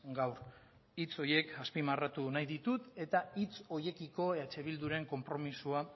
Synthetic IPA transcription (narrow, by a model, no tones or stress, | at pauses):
ɡawɾ | it͡so̞je̞kaspimarat̪unajðit̪ut̪e̞t̪ait͡so̞je̞kiko̞eat͡ʃe̞β̞ild̪uɾe̞ŋko̞mpɾo̞misua